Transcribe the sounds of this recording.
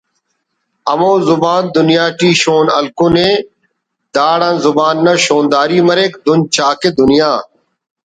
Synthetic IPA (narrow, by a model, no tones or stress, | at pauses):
əmõːzʊbaːnd̪ʊnɪjaːʈiːʃoːnə̰lkoːnẽː | d̪aːɽãːnzʊbaːnːɐʃoːnd̪aːɾiːməɾeːkd̪ʊnt͡ʃaːkeːd̪ʊnɪjaː